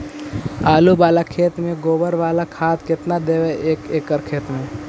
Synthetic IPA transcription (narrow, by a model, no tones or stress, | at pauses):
aːlubaːlakʰeːt̪mẽɡoːbəɾʋaːlakʰaːt̪kɪt̪nad̪eːʋeeːkeːkəɾkʰeːt̪mẽ